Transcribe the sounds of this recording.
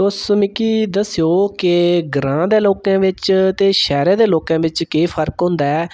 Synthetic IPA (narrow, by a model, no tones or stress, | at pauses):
ʊsmɪkiːd̪əsːijoːkɪɡɾãːd̪eːloːkãːʋɪt͡ʃt̪eːʃɛːɾeːd̪eːloːkãːʋɪt͡ʃkeiːpʰəɾkɦʊ̃ːnd̪aːɛː